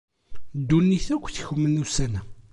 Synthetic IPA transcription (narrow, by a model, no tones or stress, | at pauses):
d̪ːunːiθækʷːθçəmːənːusænæ